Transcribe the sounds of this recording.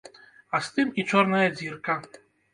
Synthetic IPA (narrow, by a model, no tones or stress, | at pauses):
ɐst̪ɨmit͡ʂɔrnɐjɐd͡zʲirkɐ